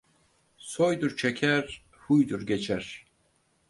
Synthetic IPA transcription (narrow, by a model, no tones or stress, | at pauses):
sojd̪uɾt͡ʃʰɛkʲʰɛɾ | hujd̪uɾɡʲɛt͡ʃʰɛɾ